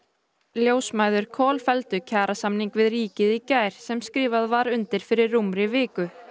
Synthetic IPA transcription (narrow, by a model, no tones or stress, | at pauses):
ljoːwsmaːjðʏɾ̥kʰɔːlfɛlt̪ʏcʰaːɾʔasamniŋkvɪðriːcɪðicaːjɾ̥sɛmskɾɪːvaðvaɾʏnt̪ɪɾ̥fɪɾɪrːumɾɪvɪːkʏ